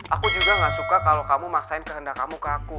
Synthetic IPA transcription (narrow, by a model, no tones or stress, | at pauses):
ʔakud͡ʒuɡaŋasukakalokamumaksaɪnkəɦəndakamukəaku